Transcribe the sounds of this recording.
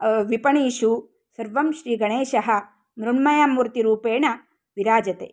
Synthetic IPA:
ʋipɐɳiːʃu | sɐɾʋɐmʃɾiːɡɐɳeːʃɐɦɐ̆ | mɾuɳmɐjaːmːuɾt̪iɾuːpeːɳɐ | ʋiɾaːd͡ʒɐt̪ḛː

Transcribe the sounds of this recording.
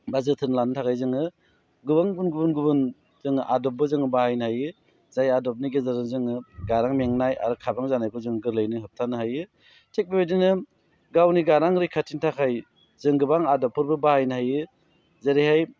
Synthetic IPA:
bazɯtʰɯnlanɯtʰakʰajzɯŋɯ | ɡɯbaŋbunɡubunɡubɯn | zɯŋɯʔadɔp̚bɯzɯŋɯbahajnhajɯ | zajadɔp̚niɡezaɾɯŋzɯŋɯɡaɾaŋmeŋnaja̰ɾɯkʰabaŋzanajkʰɯzɯŋɯɡɯɾlajnɯɦɯp̚tʰanɯhajɯ | tʰek̚bebedinɯ | ɡawniɡaɾaŋɾɯjkʰatʰintʰakʰaj | zɯŋɡɯbaŋadɔpʰːɯɾbɯbahajnhajɯ | zaɾihaj

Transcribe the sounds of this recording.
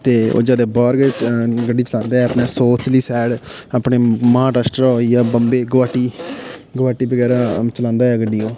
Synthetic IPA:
t̪eːo̰ːd͡ʒaːd̪eːbɔːɾɡɡəɖiːt͡ʃəlãːnd̪aːɛːəpneːsoːt̪ʰliːsɛːɽaːpneːmãːʈəsʈəɾoːiːaːbəmbeːɡəʋaːʈiːɡəʋaːʈiːbəɡɛːɾaːt͡ʃəlãːnd̪aːɦɛːɡəɖːiːoː

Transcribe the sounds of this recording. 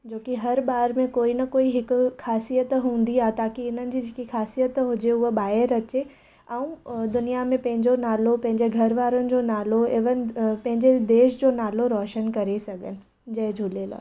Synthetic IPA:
d͡ʑoːkiɦɐɾɓaːɾmẽkoːinɐkoːiɦɪkʊxaːsijət̪ɦũːn̆d̪iaːt̪aːkiɪn̤ənɪ̆d͡ʑiːd͡ʑekixaːsijət̪ɦʊd͡ʑeʊɦɓaːɪəɾɐt͡ɕe | ɐ̃ũd̪ʊnijamẽpɐ̃ɦɪ̃ɲd͡ʑonaːlopɐ̃ɦɪ̃ɲd͡ʑeɡʱɐɾʋaːɾənɪ̆d͡ʑoːnaːloɪʋənɪpɐ̃ɦɪ̃ɲd͡ʑed̪eːʃd͡ʑoːnaːloɾɔːʃənkɐɾesɐɡʱənɪ̆ | d͡ʑɐɦɪ̃d͡ʑʱulela̰ː

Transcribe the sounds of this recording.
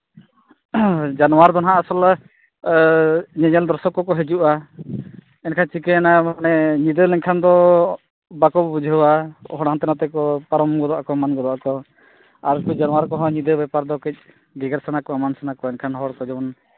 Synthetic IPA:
d͡ʒanɔwaɾd̪ɔnɦaːsɔl | ɲɛɲɛld̪ɔɾsɔkɔkɔɦed͡ʒuʔa | ɛnkʰant͡ʃikɛnamanɛɲid̪əlɛŋkʰand̪ɔ | bakɔbbud͡ʒʱɦəwaɔ̰ɦɔɽɦant̪ɛnat̪ɛkɔpaɾɔmɡɔd̪ɔʔakɔmanɡɔd̪ɔʔakɔ | aɾkud͡ʒanwaɾkɔɦɔ̃ɲid̪əbɛpaɾd̪ɔkɛc̚ˀ | ɡɛɡaɾsanakɔamansanakɔɛnkʰanɦɔɽkɔd͡ʒɛbɔn

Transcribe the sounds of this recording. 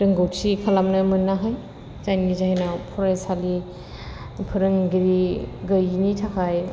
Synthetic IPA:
ɾɯŋɡɯwsʰikʰalamnɯmɯnːaɦaj | zajnizaɦenapʰɔɾajsali | pʰɯɾɯŋɡiɾiɡɯjnitʰakʰaj

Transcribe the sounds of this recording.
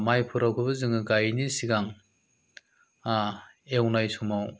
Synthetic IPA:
majpʰuɾawkʰɯbɯzɯŋɯɡajnisiɡaŋ | a | ewnajsumaw

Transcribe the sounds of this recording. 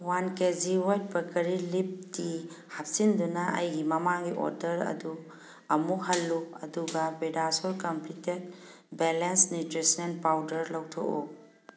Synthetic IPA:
wankeziwajt̚bɐkɐɾilip̚di | hap̚sindunɐʔɐ̰jɡimɐmaŋɡiʔo̰ɾdɐɾɐ̰du | ɐmuhɐlːuɐduɡɐbedasolkɐmplitet̚belensnitɾisenpawdɐɾlɐwtʰo̰ʔṵ

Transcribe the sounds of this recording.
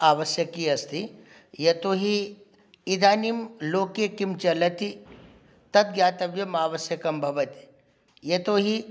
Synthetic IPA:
aːʋɐsjɐkiɐst̪ʰi | jɐt̪oːɦi | id̪ʱaːnimloːkekimt͡ʃɐlɐt̪i | t̪ɐt̪̚ɡjaːt̪ɐbjɐmaːʋɐsjɐkɐmbʱɐʋɐt̪i̥ | jɐt̪oːɦi

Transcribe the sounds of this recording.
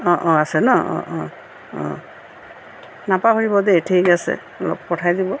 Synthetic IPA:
ɔ̃ʔɔ̃asɛnɔɔ̰̃ʔɔ̃ | ɔ̰̃ | napaɦoɹibɔdɛtʰikasɛ̰ | lɔ̰p̚kɔtʰajdibɔ

